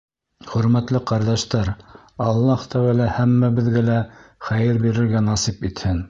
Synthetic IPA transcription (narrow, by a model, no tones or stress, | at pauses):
χɵ̆ɾmæt̪lɘqɑɾd̪ɑʃt̪ɑɾ | ɑlˠːɑht̪æwælæhæmːæbɘ̆ðɡælæχæjɘɾbiɾɘ̆ɾɡænɑsipit̪hɘn